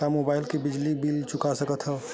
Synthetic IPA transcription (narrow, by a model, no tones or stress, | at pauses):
kamobaɪlkebɪd͡ʒlibilt͡ʃʊkasəkət̪ɦə